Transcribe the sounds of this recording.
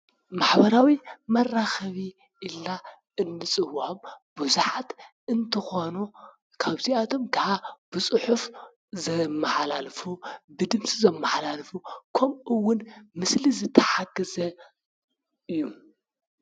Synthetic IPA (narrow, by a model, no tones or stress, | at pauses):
maħbɐɾawimɐrːaxɐβi | ʔilːa | ɨnːɨsʼɨwamb̥uzuħat̪ | ɨnt̪ʰɨxo̞nu | kʰaβziʔat̪ʰo̞mkʰaʕab̥ɨsʼɨħuf | zɐmːɐħalalfubɨd̪ɨmsʼizɐmːaħlalfukʰɐmʔɨwːʊnmɨslizɨt̪ʰːɐ̥ħaɡɐzɐ | ɨjːu